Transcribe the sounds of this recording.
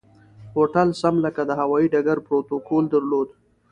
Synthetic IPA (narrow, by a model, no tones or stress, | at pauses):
hoʈalsamləkad̪əɦawɑiɖaɡaɾpɾot̪okold̪əɾlod̪